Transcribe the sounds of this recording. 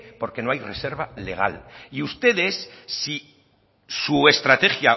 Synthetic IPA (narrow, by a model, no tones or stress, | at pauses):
po̞ɾke̞no̞ajre̞se̞ɾβale̞ɣ̞a̰liust̪e̞ðe̞sːi | sue̞st̪ɾat̪e̞xja